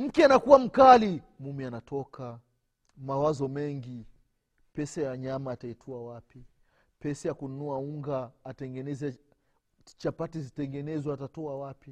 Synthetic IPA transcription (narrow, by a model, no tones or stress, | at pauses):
m̩kɛanakuwam̩kali | mumianatʰɔkʰa | mawazɔmɛŋɡi | pɛsajaɲamaːtaitʰuawapi | pɛsajakununuauŋɡaːtɛŋɡɛnɛzɛ | t͡ʃapatizitɛŋɡɛnɛzwaatatɔawapi